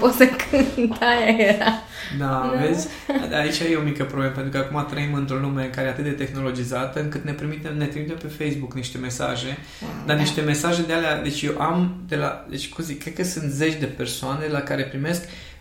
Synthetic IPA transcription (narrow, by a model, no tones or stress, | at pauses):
posəkʰɨnt̪ajaeɾa | d̪avezʲ | ait͡ʃʲajeo̞mikəpɾobleməpeɾukəakumat̪ɾəimɨnt̪ɾo̞lume̞ɨkaɾeat̪ɨt̪̚d̪e̞t̪e̞xno̞lo̞d͡ʒizat̪əɨŋkɨt̪ne̞p̪ɾimit̪e̞mne̞t̪ɾimit̪e̞mpe̞fe̞jsbukniʃt̪e̞me̞sa̰ʒe̞ | d̪aniʃt̪e̞me̞saʒe̞d̪ealead̪e̞t͡ʃʲjewʔamd̪e̞la̰d̪et͡ʃʲkumzikːɾe̞t̪kəsɨnt̪ze̞t͡ʃʲd̪e̞pe̞rsoane̞d̪elakaɾe̞pɾime̞sk